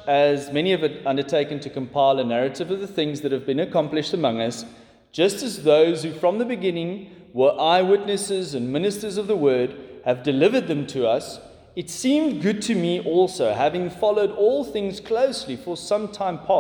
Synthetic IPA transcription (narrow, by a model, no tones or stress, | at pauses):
ɨzmɛniʌvɨɾʌ̃ndə˞tʰeɪkɨ̃n̩tʰɨkə̃mpʰaɪlˠənæɹɨɾɨvʌvðəθɪ̃ŋzðɨt̚hɨvbɨ̃nɨkʰɑ̃mplɨʃtəmʌ̃ŋʌs | d̥ʒ̥ʌstɨzðoʊz̥hʉfɹʌ̃mðəbɨɡɪ̃nɪ̃ŋ | wə˞ʔaɪwɪtⁿnɨsɪzɨ̃nmɪ̃nɨstə˞zʌvðəwɜ˞d̚hɨvdɨlɪvə˞d̪̚ðɨ̃mtʰɨʌs | ɨtsĩmɡʊd̚tʰɨmiʔɔlˠsoʊɦævɪ̃ŋfɑlˠoʊɾɔlˠθɪ̃ŋz̥kʰl̥oʊslifə˞sʌ̃mtʰãɪ̃mpʰɑ